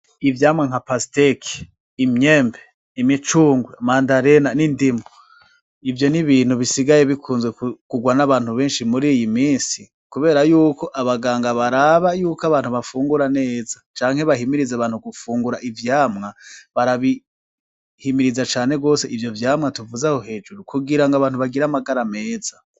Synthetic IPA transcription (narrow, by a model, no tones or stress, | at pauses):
ivjaːmŋaŋ̥apastekʰi̥ | imɲeːmbe | imit͡ʃuːŋɡwemaːndaɾenanindimo | ivjo̞niβiːn̥huβisiɡaje̞βikʰuːnzɡwekkuɡwanaβaːn̥huβe̞ːnʃimuɾiːjimiːnsi | kuβe̞ːɾajuːko̞ʔaβaɡaːŋɡaβaɾaβajuːkaβaːn̥huβafuːŋɡuɾane̞ːzat͡ʃaːŋhe̞βaɦimiɾizaβaːnhuɡufuːŋɡuɾaʔivjaːmŋaβaɾaβi | himiɾizat͡ʃaːne̞ɡo̞ːse̞ivjo̞vjaːmŋatuvuzahohe̞ːd͡ʒuɾukuɡiɾaŋɡaβaːn̥huβaɡiɾamaɡaɾame̞ːz̥a